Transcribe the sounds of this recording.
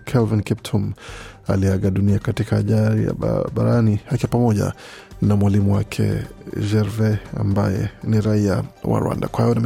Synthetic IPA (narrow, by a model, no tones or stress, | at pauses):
kʰɛlvinkip̚tʰuma̰liaɠaɗuniakatikaːʄaɾḭa̰ɓaɾanihakiapamɔʄa̰ | namwalimuwakʰɛ̰ʒɛɾvɛa̰mba̰jɛ̰niɾaiawa̰ɾwa̰ndakwahajɔnam